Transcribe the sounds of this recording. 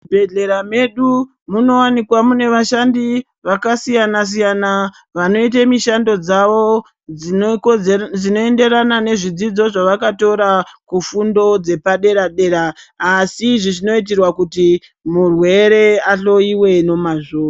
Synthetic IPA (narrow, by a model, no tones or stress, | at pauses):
bʱeɮe̞ɾame̞ɗu | muno̞wanikwamune̞ʋaʃandi | ʋakasijanas̬ijana | ʋano̞itemiʃando̞d͡zaʋo | d͡zino̞e̞nde̞ɾanane̞ʐid͡zid͡zo̞ʐaʋakato̞ɾakufundo̞d͡ze̞paɗe̞ɾaɗe̞ɾaːsiʐiʐino̞it̬irwakuti | murwe̞ɾe̞aɬo̞iwe̞no̞maʐoːa